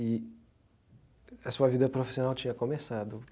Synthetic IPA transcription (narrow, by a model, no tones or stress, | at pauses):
ɪ | ɐsuɐvid̪ɐpɾofi̥sionawt͡ʃĩɲɐkõmesad̪ʊ